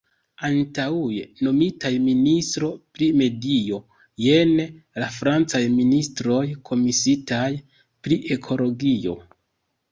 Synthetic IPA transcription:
antaujeno̞mitajministɾo̞pɾime̞dio̞ | je̞nlafɾant͡sajministɾo̞jkʰo̞misitaj | pɾiʔe̞kʰo̞lo̞ɡio̞̰

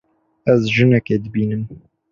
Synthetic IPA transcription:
ɛzʒɨnɛkeːd̪ɨbiːnɨm

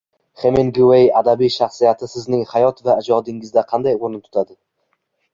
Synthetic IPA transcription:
χemenɡiwejad̪abijʃaχsijat̪ʰɪsɪznɪŋhajɒt̪vaːd͡ʒɒd̪ɪŋɪzd̪aqʰɑnd̪ajʊɾnɪt̪ʰʊ̥t̪ʰad̪ɪ

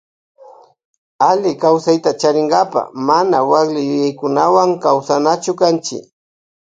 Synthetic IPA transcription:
alɪkawsajt̪at͡ʃaɾɪŋɡapa̰manawaɡlɪjʊjajkʊnawaŋkawsanat͡ʃʊkant͡ʃɪ̰

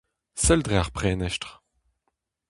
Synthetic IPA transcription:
sɛld̪ʁɛaʁpχɛːnɛʃtʁ

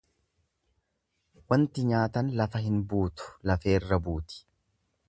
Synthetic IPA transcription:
wɐnt̪ɪɲaːt̪ɐnlɐfɐɦɪnbuːt̪ʊ̥lɐfe̞ːrːɐbuːt̪ɪ̥

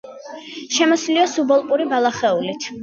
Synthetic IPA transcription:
ʃɛmɔsliɔsubɔlˠpʼuɾibalˠaχɛulit̪ʰ

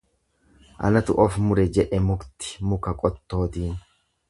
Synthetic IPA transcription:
ʔɐ̰nɐt̪ʊʔɔfmʊɾɛd͡ʒɛʔɛmʊkt̪ɪ̥mʊkɐkʼɔt̪ːo̞ːt̪iːn

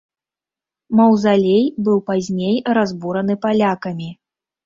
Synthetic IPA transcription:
mɐwzalʲejbɨwpazʲnʲejɾazbuɾɐnɨpalʲakɐmʲi

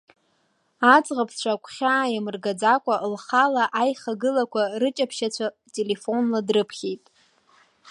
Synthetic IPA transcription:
at͡sʼʁapʰst͡ɕʷʰakʷʰʼχʲaːjamɨrɡad͡zakʷʼalχalaʔajχaɡɨlakʷʰarɨt͡ʃʼapʰʃat͡ɕʷʰa | tʼele̞fo̞nladrɨpʰχʲejtʼ

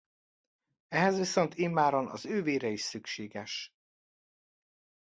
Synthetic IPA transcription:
ɛɦɛzʋiso̞nt̪ʰimːaːɾonʔɒ̰zøːveːɾɛiʃsykʃeːɡɛʃ

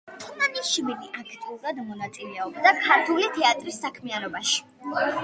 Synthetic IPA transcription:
t̪ʰnaniʃmiliʔakʰt̪ʼiuɾad̪mɔnat̪sʼilɛɔbd̪akʰaɾt̪ʰulit̪ʰɛat̪ʼɾisːakʰmianɔbaʃi̥

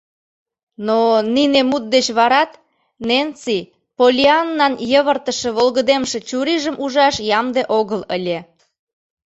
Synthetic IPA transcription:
noninemut̪̚d̪et͡ɕβɑɾɑt̪ | nent͡si | polʲianːɑnjəβərt̪əʃĕβolɣəd̪emʃe̽t͡ɕuɾiʒəmuʒɑʃjɑmd̪eʔoɣələlʲe

